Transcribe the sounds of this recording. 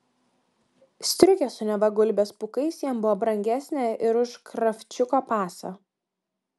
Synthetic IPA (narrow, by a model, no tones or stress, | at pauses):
sʲt̪ʲɾʲʊkʲɛsʊnʲɛʋɐɡʊlʲbʲeːspʊkɐɪsjiɛmbʊʋɔːbɾɐŋʲɡʲæsʲnʲeʔɪɾʊʃkɾɐfʲt͡ʃʲʊkoːpɑːso̰